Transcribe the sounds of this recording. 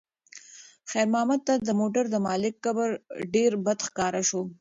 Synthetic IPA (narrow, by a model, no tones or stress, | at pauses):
xɛjɾmɑːmad̪̚t̪ad̪əmoʈaɾd̪əmɑlɪkːabəɾɖeɾbad̪xkɑɾaʃo